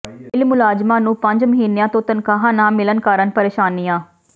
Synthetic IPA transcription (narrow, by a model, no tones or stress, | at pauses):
ɪlmʊlaːd͡ʒmãːnũːpəɲd͡ʒməɦiːnejãːt̪õːt̪ənkaːɦãːnãːmɪlənkaːɾənpəɾeːʃaːnijãː